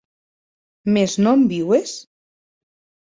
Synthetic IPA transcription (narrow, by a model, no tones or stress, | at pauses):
meznɔmbiwes